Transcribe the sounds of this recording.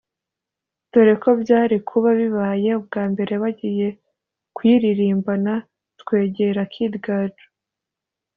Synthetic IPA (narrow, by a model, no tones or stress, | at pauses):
toɾe̞ko̞bɟaːɾikʰuβaβiβaje̞ub̚ɡaːmbe̞ɾe̞βaɟije̞ | kwiːɾiɾiːmbana | tkwe̞ːɟe̞ɾakʰidɡaːd͡ʒo̥